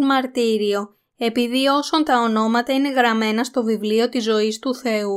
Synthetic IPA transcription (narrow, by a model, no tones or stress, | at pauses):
mɐɾt̪iɾio̞ | e̞piðio̞so̞nt̪ɐo̞no̞mɐt̪ɐine̞ɣɾɐme̞nɐst̪o̞vivlio̞t̪izo̞ist̪uθe̞u